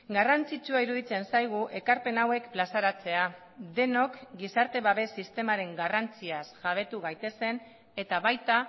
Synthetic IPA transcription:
ɡarant͡sit͡ʃuaiɾuð̞it͡se̞nsajɣ̞uʔe̞kaɾpe̞nawe̞kplasaɾat͡se̞a | d̪e̞no̞kɡisaɾt̪e̞βaβe̞sːist̪e̞maɾe̞ŋɡarant͡siasʝaβ̞e̞t̪uɣajt̪e̞se̞n | e̞t̪aβajt̪a

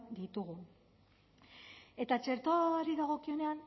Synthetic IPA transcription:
d̪it̪uɣu | e̞t̪at͡ʃe̞ɾt̪oɾiðaɣ̞o̞kio̞ne̞an

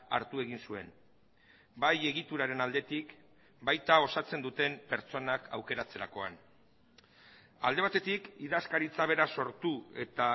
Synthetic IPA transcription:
a̰ɾt̪ue̞ɣ̞insue̞̰n | baje̞ɣit̪uɾaɾe̞nald̪e̞t̪ik | bajt̪ao̞sat͡se̞nd̪ut̪e̞mpe̞ɾt͡so̞nakʰawke̞ɾat͡se̞ɾako̞a̰n | a̰ld̪e̞β̞at̪e̞t̪ikiðaskaɾit͡saβ̞e̞ɾaso̞ɾt̪ue̞t̪a

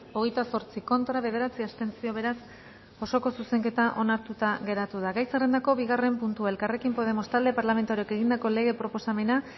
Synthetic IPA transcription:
o̞ɣ̞e̞jt̪aso̞ɾt͡siko̞nt̪ɾaβ̞e̞ð̞e̞ɾat͡siast̪e̞nt͡sio̞β̞e̞ɾas | o̞so̞ko̞suse̞ŋke̞t̪aʔo̞naɾt̪ut̪aɣe̞ɾat̪uðaɣajsere̞nd̪ako̞βiɣare̞mpunt̪uaelkare̞kimpo̞ð̞e̞mo̞st̪ald̪e̞paɾlame̞nt̪oɾieke̞ɣ̞ind̪ako̞le̞ɣ̞e̞pɾo̞po̞same̞na

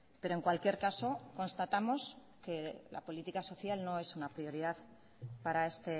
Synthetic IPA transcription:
pe̞ɾoe̞ŋkwalkje̞ɾkaso̞ko̞nst̪at̪amo̞s | ke̞la̰po̞lit̪ikaso̞θjalno̞e̞sunapɾio̞ɾiðað | paɾae̞st̪e̞

